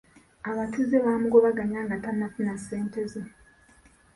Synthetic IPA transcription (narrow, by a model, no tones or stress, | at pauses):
aβatʰuzeβaːmuɡoβaɡaɲaːŋɡatanːafunaseːnteze